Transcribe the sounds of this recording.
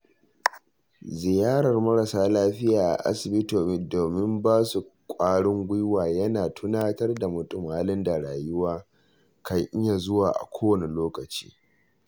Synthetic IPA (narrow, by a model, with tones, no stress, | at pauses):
zɪ˨jaː˦ɽɐ˨rmɐ˦ɽɐ˨saː˦laː˦ɸɪ˦jaː˨ʔa̰˨ʔa̰˦sɪ˨bɪ˦toː˨m˦doː˨mɪ˦mbaː˦su˨kʷʼaː˦ɽɪ˦ŋɡʷɪ˦waː˨jɐ˦naː˨tʰʊ˦naː˦tɐ˦rda˨mʊ˨tʼʊ˦maː˦lɪ˦nda˨ɽaː˨jʊ˦waː˦ | ka˦jʔɪ˦ɲa˨zʊ˦waː˨ʔa̰˨kʷoː˦wɐ˨ne˨loː˦kɐ˨t͡ʃi̥̰ː˦